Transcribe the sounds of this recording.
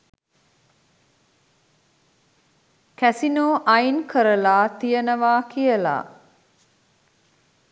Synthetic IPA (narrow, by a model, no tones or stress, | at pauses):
kæsinoːʔajnkʰəɾəlaːt̪ijənəʋaːkijəla̰ː